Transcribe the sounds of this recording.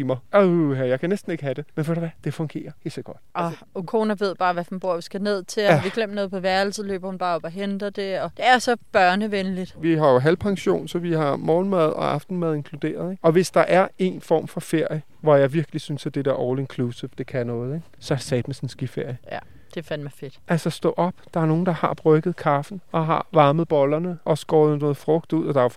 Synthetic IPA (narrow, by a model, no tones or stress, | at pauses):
imɑoɦæjɑ̈ɪkʰænesd̥n̩e̝ɡ̥əhæd̥e̝menʋæɾ̥uʋæd̥e̝fɔ̽ŋɡ̥e̝̰ːɐhe̝̰ːlsɒɡ̥ɒ̽d̥ʔɒ | kʰo̝ːnæʋe̝ð̞̰ˠb̥ɑ̈ːʋæfunb̥oɐ̰ʋisɡ̥æne̝ð̞̰ˠt͡sʰe̝ʋiɡ̥lem̰no̽ːð̩ˠpʰɒ̽ʋæɐl̩səlø̰ːb̥ɐhunb̥ɑ̈ːɒ̽b̥ɒɦend̥ɐd̥e̝ɒ̽d̥e̝æɐsɒ̽b̥ɶɐnəʋenlid̥ʋiɦɑ̈jo̝ɦælpʰɑ̈ŋɕo̝̰ːnsɒ̽ʋihɑ̈mɒːn̩mæð̞ˠɒ̽ʔɑ̈fd̥n̩mæð̞ˠe̝ŋkʰlud̥e̝̰ːɐð̞ˠeɡɒ̽ʋe̝sd̥ɑ̈ʔæɐe̝̰nfɒ̰ːmfɒ̽fe̝ɐ̰jə | ʋɒjɑ̈ɪʋiɐɡ̥lisynsæd̥e̝d̥æɐʔɒʊlienkʰlusəfd̥e̝kʰænɔ̽ːð̞̩ˠeɡ̥ | sɒ̽æɐsɛ̰ːd̥mesɒn̩sɡ̥ife̝ɐ̰jəjæ | d̥e̝fænmɑfe̝d̥ælsɐsd̥ɔ̰ːʔɒ̽b̥d̥ɑ̈æɐno̝ːn̩d̥ɑ̈hɑ̈b̥ʁœɡ̥ð̞̩ˠkʰɑ̈fn̩ɒ̽ɦɑ̰̈ʋɑ̈ːməð̩ˠb̥ɒ̽lɐnəʔɒ̽sɡ̥ɒːð̩ˠnɔ̽ːð̩ˠfʁɔɡ̥̚d̥uð̞̰ˠɒ̽d̥ɑ̈o